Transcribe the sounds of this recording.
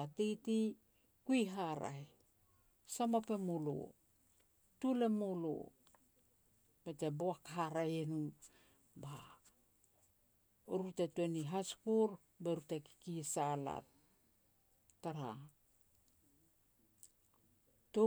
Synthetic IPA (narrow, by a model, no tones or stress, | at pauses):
atejti | kujɦaɾa̰j | samope̞molo̰ | tule̞molo̰ | b̥eteboakaɦaɾajenu | ba | oɾutetueniɦaskuɾ | beɾuteki̥kisala̰t̚ | aɾa | to